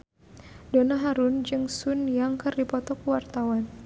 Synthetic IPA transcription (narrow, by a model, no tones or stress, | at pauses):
donaɦaɾʊnd͡ʒɨŋsʊnjaŋkɨrdipɔt̪ɔkuwart̪awan